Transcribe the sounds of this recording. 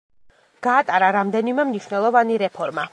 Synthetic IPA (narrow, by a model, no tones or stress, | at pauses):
ɡ̥aːt̪ʼaɾaɾamd̪ɛnimɛmniʃwnɛlˠɔvaniɾɛpʰɔɾma